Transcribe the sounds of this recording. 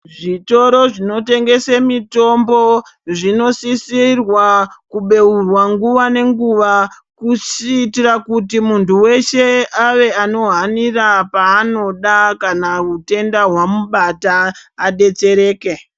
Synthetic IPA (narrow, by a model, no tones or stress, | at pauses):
ʐito̞ɾo̞ʐino̞te̞ŋɡe̞semito̞mbo̞ʐino̞sisirwakuɓe̞urwaŋɡuʋane̞ŋɡuʋa | kusiːtirakutimuntuwe̞ʃe̞aʋe̞ano̞ɦanirapaːno̞ɗakanaute̞ndaɦwamuɓataːɗe̞t͡se̞ɾe̞ːke̞